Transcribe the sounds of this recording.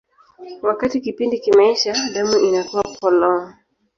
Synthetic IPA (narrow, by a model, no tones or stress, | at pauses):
wakatikipindikimaiʃandamuʔinakuwapʰɔlɔŋ